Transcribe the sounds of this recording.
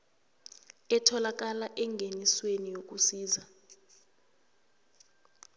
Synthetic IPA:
ɛtʰɔlak̬alaʔɛŋɡʱeniswenijok̬ʼusiːza

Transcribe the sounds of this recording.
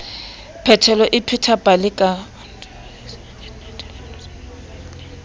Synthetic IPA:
pʰɛtʰɛlɔʔɪpʰɪtʰabalɪkʼa

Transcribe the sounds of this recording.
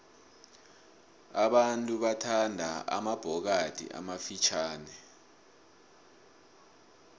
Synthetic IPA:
aɓantʼuɓatʰandʱaa̰mab̥ʱɔk̬ad̥ʱḭʔa̰mafit͡ʃʰaːnɛ

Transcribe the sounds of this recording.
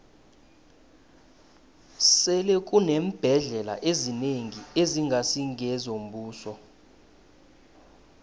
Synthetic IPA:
sɛlɛk̬ʼunem̩b̥ʱɛɮɛla̰ʔezineŋieziŋɡʱasiŋʱɛzom̩bʱuːsɔ

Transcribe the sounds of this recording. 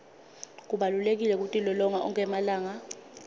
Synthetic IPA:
k̬uɓalulek̬ilɛk̬utʼilɔlɔŋaʔɔ̰ŋɛmalaːŋa

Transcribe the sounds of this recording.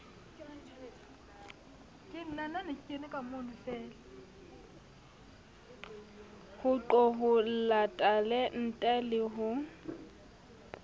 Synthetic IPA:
kʼɪn̩nananɪkʼɪnɪkʼamonʊfɛːlɛ | hʊǃɔɦʊl̩latʼalen̩tʼɛlɪɦʊ

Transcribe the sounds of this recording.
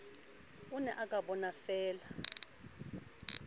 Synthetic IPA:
unɛʔakʼaɓɔnafɛːla

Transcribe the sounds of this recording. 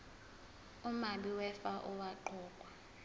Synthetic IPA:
umaɓiwɛfaʔuwaǃɔːkʼwa

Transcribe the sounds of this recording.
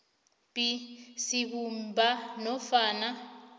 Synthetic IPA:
pisiβumbanɔfaːna

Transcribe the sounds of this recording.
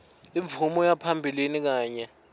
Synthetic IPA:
iɱvumɔjapʰambʱilinik̬aːɲɛ

